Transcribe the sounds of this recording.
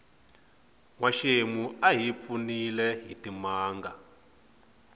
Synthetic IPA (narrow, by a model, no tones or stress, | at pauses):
ŋwaʃemuaɦip̪funilɛɦitimaːŋɡa